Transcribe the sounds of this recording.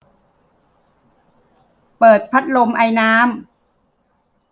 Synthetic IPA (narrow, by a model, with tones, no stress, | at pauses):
pɤː˨˩t̪̚pʰa˦˥t̪̚lo˧mʔa˧jnaː˦˥m